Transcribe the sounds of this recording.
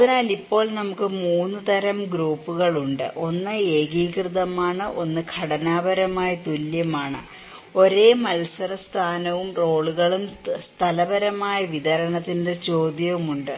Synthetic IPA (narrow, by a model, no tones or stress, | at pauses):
ɐðinaːlipːo̞ːɭnɐmukːɨmuːnːɨt̪ɐɾɐmɡɾuːpːuɣɐɭuɳɖɨ̰ʔo̞nːɨeːɡiːkrɨðɐmaːɳɨʔo̞nːɨkʰɐɽɐnaːbɐɾɐmaːjɐt̪uljɐmaːɳɨ | o̞ɾe̞ːmɐlsɐɾɐst̪ʰaːnɐʋumro̞ːɭuɣɐɭumst̪ʰɐlɐbɐɾɐmaːjɐʋid̪ɐɾɐɳɐt̪ːindet͡ɕo̞ːd̪jɐʋumuɳɖɨ